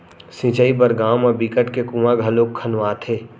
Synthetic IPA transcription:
sĩːt͡ʃaːibəɾɡaːmɔbikəʈkekuːmaɡʱɐloːkʰːənʋaːt̪ʰeː

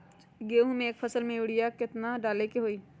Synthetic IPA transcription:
ɡeːɦũmẽːk̚pʰɐsəlmẽʊɽɪjakɪt̪naɖaːlekeɦoːiː

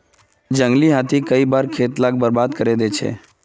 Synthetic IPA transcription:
d͡ʒə̃ŋɡliɦat̪ʰikəibaːɾkʰeːt̪laːk̚bəɾbaːd̪kəɾed̪et͡ʃʰḛː

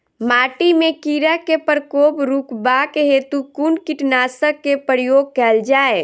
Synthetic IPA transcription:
maːʈimẽkiːɾakepəɾkoːbɾukbaːkeɦeːt̪ukuɳkɪʈnaːsəkkːepəɾjoːɡ̚kɛld͡ʒaːe

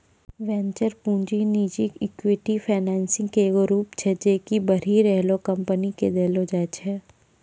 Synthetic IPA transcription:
ʋɛ̃ːɲt͡ʃəɾpũːɲd͡ʒiniːd͡ʒikɪkwɪʈifʰaːnɛːnsɪ̃ŋɡkeɡoɾuːpt͡ʃʰɛd͡ʒeːkibɐɾiːɾɛɦlokɐ̃mpəniked̪ɛːlod͡ʒaːt͡ʃʰɛ

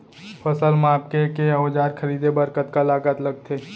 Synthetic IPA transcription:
pʰəsəlmaːp̚kekeoːd͡ʒaːɾkʰəɾiːd̪ebəɾkət̪kalaːɡət̪ləɡ̚t̪ʰeː

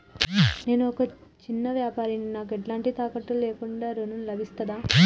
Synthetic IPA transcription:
ne̞ːnuɔkɐt͡ʃinːɐʋjaːpaːɾininaːk̬eʈlaːɳʈit̪aːkɐʈːuleːkuɳɖaːɾununlɐbʱist̪ɐd̪aː

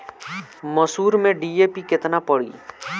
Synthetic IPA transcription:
mɐsuːɾmẽɖiːeːpikɪt̪napɐɽḭː

